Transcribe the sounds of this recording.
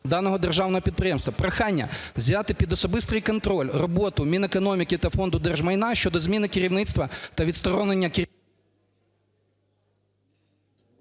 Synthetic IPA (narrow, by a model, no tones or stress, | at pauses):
d̪ɑnɔɦɔd̪erʒɑwnɔɦɔpʲid̪̚pɾɪjɛmst̪ʋɐpɾɐxanʲːɐ̰wzʲjat̪ɪpʲid̪ɔsɔbɪst̪ɨjkɔnt̪ɾɔlʲrɔbɔt̪ʊmʲinekɔnɔmʲikɪt̪ɐfɔnd̪ʊd̪ɛrʒmɐjnɑʃt͡ʃɔd̪ɔzʲmʲinɪkɪɾʲiwnɪt̪st̪ʋɐt̪ɐʋʲit̪st̪ɔɾɔnenʲːɐkɪ